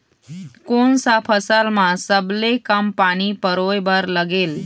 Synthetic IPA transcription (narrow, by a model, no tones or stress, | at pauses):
konsapʰəsəlmãsəblekəmpaɽ̃ipəɾojbəɾləɡel